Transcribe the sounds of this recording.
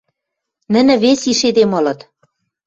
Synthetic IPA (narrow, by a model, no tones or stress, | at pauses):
nɘ̆nɘ̆βesiʃed̪emɤ̆lɤ̆t̪